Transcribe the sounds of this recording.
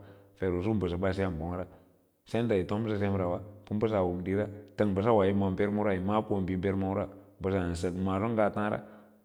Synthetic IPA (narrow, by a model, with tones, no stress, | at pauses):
fe˨ɾu˨s̬u˦m˦bə˨s̬a˨ba˦s̬i˦a˦˨m˨bo˨˦ŋ˦ɾa˦ | se˦n˦da˨ji˨to˦mbə˦s̬a˦˨s̬e˦mɾa˨wa˦pu˦mbə˦s̬a˨wu˨m˨di˦ɾa˦tə˦˨ŋbə˨s̬a˦wa˨ji˦ma˨mbe˦ɾmu˦ɾa˦i˨ma˦po˦˨mbi˨˦be˦ɾma˦ɾa˦bə˨s̬a˨n˨sə˨kma˨ɾu˦ŋ˦ɡa˨tã˦ɾa̰˦